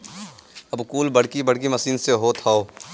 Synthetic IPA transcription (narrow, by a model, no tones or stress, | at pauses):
ɐbkuːlbɐɽ̤kibɐɽkimɐsiːnseɦot̪ʰaːoː